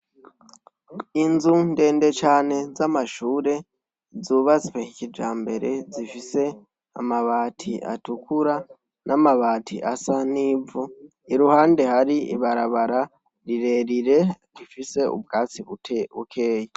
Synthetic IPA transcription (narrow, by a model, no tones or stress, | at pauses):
inzunde̞ːnde̞t͡ʃaːne̞zamaʃuːɾe̞ | zuːβaziwehicid͡ʒaːmbe̞ɾe̞zifise̞ | a̰maβaːtʰiʔa̰tukuɾa | nʔamaβaːtʰiʔasaniːvu | iɾuhaːnde̞haɾiḭβaɾaβaɾa | ɾiɾe̞ɾiɾe̞ɾifise̞ṵbɡaːt͡siβutʰeṵkʰe̞ːje